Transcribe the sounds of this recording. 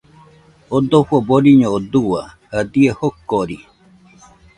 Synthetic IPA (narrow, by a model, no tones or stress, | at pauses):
od̪oɸuaboɾiɲõod̪uwahad̪iehokːoɾi